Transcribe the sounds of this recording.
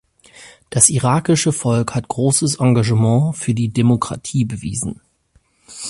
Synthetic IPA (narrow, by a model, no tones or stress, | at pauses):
d̥asʔiʁaːkɪʃəfɔlkhatɡ̥ʁoːsəsʔãŋɡaʒəmɑ̃ːfyːɐdiːdemokʁ̥a̰tʰiːbəvḭːzn̩